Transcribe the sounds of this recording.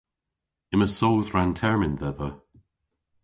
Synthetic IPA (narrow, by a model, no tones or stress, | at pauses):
ɪməsowðɹantʰɛɹmɪnðɛðə